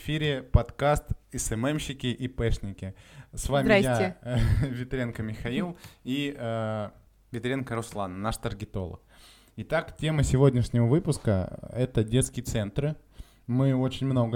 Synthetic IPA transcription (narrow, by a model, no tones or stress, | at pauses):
fʲiɾʲɪpɐt̪kast̪ɪsɛmɛmɕːɪkʲɪʔipɛʂnʲɪkʲɪsvamʲɪaja | vʲɪt̪ɾʲenkəmʲɪxɐilˠiə | vʲɪt̪ɾʲenkəɾʊslˠannaʂt̪ərɡʲɪt̪o̞̰lˠə̰k̚ | ɪt̪aktʲe̞mɨsʲɪvo̞dʲnʲɪʂnʲɪvəvɨpʊskə̰ɛt̪ədʲet̪skʲɪjət̪sɛnt̪ɾɨ | mɨo̞t͡ɕɪnʲmno̞ɡə